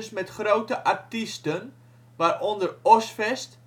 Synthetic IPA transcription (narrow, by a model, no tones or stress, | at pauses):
smɛtχrowtəʔartistən | ʋaːrɔndərɔsfɛst